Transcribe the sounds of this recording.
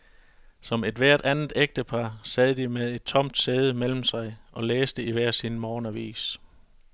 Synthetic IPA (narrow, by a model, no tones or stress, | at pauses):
sɒ̽me̝d̥ʋæɐ̰d̥ʔænð̩ˠeɡ̥̚d̥əpʰɑ̈ːsɛð̞̩ˠd̥imeðˠe̝d̥̚t͡sʰɒ̽m̰d̥seːð̞ˠəmel̰m̩sɑ̈ɪʔɒ̽leːsd̥əiʋæɐ̰sinmɒːnɐʋḭːs